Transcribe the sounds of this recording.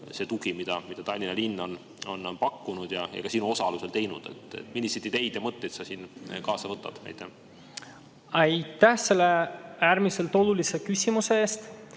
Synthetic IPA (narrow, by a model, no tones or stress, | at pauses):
se̞ːt̪uɡimid̪̥ɑmid̪̥ɑt̪ɑlʲːinɑlinːo̞n | o̞npɑkːunud̪̥jɑḛɡ̥ɑsiːnuo̞sɑluse̞lt̪e̞jnud̪̥e̞̰t̪ḛt̪ːmilʲːised̪id̪e̞jd̪̥jɑmɤt̪ːˑejt̪sɑsiːnkɑːsɑvɤt̪ːˑɑ̰d̪̥ɑ̰jt̪ːˑæh | ɑjt̪ːˑæhse̞lːe̞æːɾmise̞lt̪o̞lulise̞kysʲimuse̞eːst̪